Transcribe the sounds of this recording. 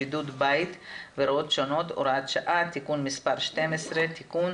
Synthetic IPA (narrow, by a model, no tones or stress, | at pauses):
id̪ut̪bajt̪veɾaot̪ʃo̞no̞t̪o̰ɾat̪ʃaʔat̪ikunmispaɾʃt̪emesʁet̪ikun